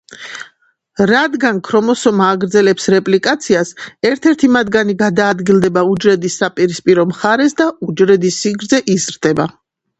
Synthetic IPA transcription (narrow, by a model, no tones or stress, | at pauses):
ɾad̪ɡankʰɾɔmɔsɔmaːɡɾd̪zɛlɛpsɾɛpʼlikʼat̪sʰiasɛɾt̪ʰɛɾt̪ʰimad̪ɡaniɡad̪aːd̪ɡilˠd̪ɛbaud͡ʒɾɛd̪isːapʼiɾispʼiɾɔmχaɾɛsd̪aud͡ʒɾɛd̪isːiɡɾd̪zɛʔizɾd̪̥ɛba